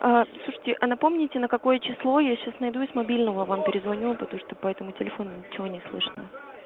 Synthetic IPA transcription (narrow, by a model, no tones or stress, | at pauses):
aslˠuʂə̥tʲɪʔɐnɐpo̞mnʲɪtʲɪnəkɐko̞jət͡ɕɪslˠo̞jaɕasnɐjd̪uɪzmɐbʲilʲnəvəvampʲɪɾʲɪzvɐnʲulˠpət̪ɐmuʂt̪opɐɛt̪əmʊtʲɪlʲɪfo̞nʊnʲɪt͡ɕɪvo̞nʲɪslˠɨʂənə̰